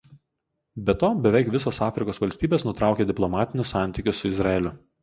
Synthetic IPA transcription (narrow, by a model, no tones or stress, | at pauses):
bʲɛt̪oːbʲɛʋʲɛˑɪkʋʲɪsoːsɑːfʲɾʲɪkoːsʋɐlʲsʲt̪ʲiːbʲeːsnʊt̪ɾɑˑʊkʲeːd̪ʲɪplˠɔmɑːt̪ʲɪnʲʊsɑˑnʲt̪ʲiːˑkʲʊssʊɪzɾɐɛlʲʊ